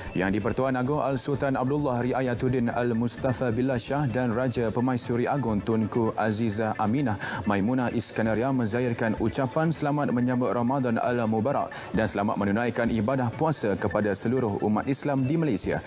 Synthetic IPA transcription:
jaŋdipərt̪uanaɡʊŋʔa̰lsult̪anab̚dulːahriʔajat̪udɪna̰lmust̪afabilaʃahdanrad͡ʒapəmãjsuɾiʔaɡʊŋt̪ʊnkuʔazizahaminahmãjmunaʔiskanaɾiamə̃zaɪrkanʔut͡ʃapansəlamat̪̚mə̃ɲãbʊt̪̚rʔamadana̰lmubaɾa̰k̚ | dansəlama̰t̪̚mənunãjkanʔibadahpuasakəpadasəluɾʊhṵmat̪islamdimalajsia̰

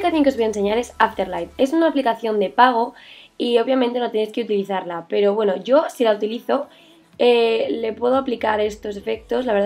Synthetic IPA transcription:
ikaθjoŋkeβoaenseɲaɾe̞saft̪eɾlajt̪e̞sunaːplikaθjo̞nd̪e̞paɣ̞o̞io̞βjamẽnt̪e̞not̪ene̞jske̞ut̪iliθaɾlape̞ɾo̞βwe̞no̞ʝo̞silaut̪iliθo̞ | ele̞pwe̞ð̞o̞aplikaɾe̞st̪o̞s̬e̞fe̞k̚t̪o̞slaβeɾð

